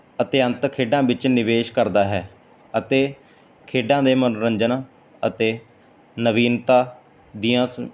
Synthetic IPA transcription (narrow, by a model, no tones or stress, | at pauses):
ət̪eːənt̪kʰeːɖãːbɪt͡ʃnɪʋeːʃkəɾd̪aːɦɛː | ət̪eː | kʰeːɖãːd̪eːmənɾəɲd͡ʒənaː | ə̰t̪eː | nəʋiːnt̪aː | d̪iːãːs